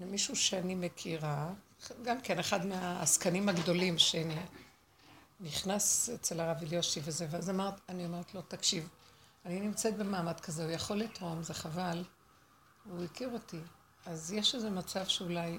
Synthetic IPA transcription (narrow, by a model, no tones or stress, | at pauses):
miʃuʃeanime̞kʰiʁa | ɡamke̞neχadmeaːskanimhaɡd̪o̞limʃeani | niχnaset͡selaʁaviljo̞ʃivezeveazamaʁet̪anio̞me̞ʁet̪lo̞takʃiv | aninimt͡set̪̚be̞maːmadkazeujaχo̞lːit̪ʁo̞mzeχaval | vuikiʁo̞ti | azjeʃeze̞mat͡savʃeulaj